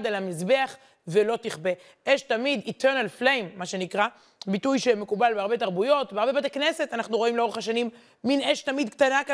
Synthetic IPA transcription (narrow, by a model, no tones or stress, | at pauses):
delhamizbe̞aχ | velo̞t̪iχbe̞ | ʔeʃtamid̪itʰeʁnalflejmːaʃe̞nikʁa | bitujʃeme̞kubalbeaʁbe̞t̬aʁbujo̞tbeaʁbe̞bat̪ekne̞se̞t̪anaχnuʁo̞imleo̞eχaʃanimː | ineʃtamid̪kt̪anaka